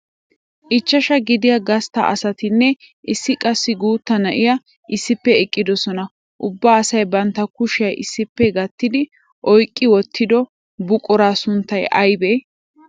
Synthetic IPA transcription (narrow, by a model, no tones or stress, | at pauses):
ʔɪt͡ʃːɐʃɐɡɪd̪ɪjɐɡɐst̪ɐ̰ʔɐ̰sɐt̪ɪnːɛ | ʔɪsːɪkʼɐsːɪɡuːt̪ːɐnɐʔɪjɐ | ʔɪsːɪpːɛɛkʼːɪd̪ɔsɔnɐ | ʔʊbːaːsɐjbɐnt̪ːɐkʊʃɪɐjʔɪsːɪpːɛɡɐt̪ːɪd̪ɪ | ʔɔjkʼːɪwɔt̪ʰːɪd̪ɔ | bʊkʼɔɾaːsʊnt̪ːɐjʔɐjbe